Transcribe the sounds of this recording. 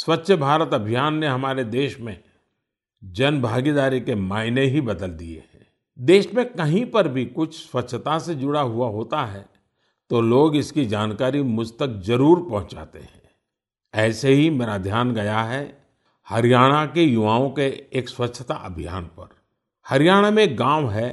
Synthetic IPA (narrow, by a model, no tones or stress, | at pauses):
swɐtːʃʰəbʱaːɾət̪ɐbʱijaːnːeɦɐmaːɾed̪eːʃmẽ | d͡ʒɐnbʱaːɡid̪aːɾikemaːɪneɦibɐd̪əld̪iḛɦɛ̃ː | d̪eːʃmẽkɐɦĩpɐɾbʱikʊt͡ʃʰswɐtːʃʰt̪ased͡ʒʊɽaɦuaɦoːt̪aɦɛ | t̪oloːɡɪskid͡ʒaːnkaːɾimʊd͡ʒʱt̪ək̚zɐɾuːɾpɐɦʊ̃t͡ʃa̰ːt̪ḛɦɛ̰̃ː | ɛːseɦimeːɾad̪ʱjaːnɡɐjaɦɛ | hɐɾjaːɽ̃akejʊʋaːõkeeːkswɐtːʃʰət̪aʔəbʱija̰ːnpɐɾ | hɐɾjaːɽ̃amẽɡãːʋɦɛ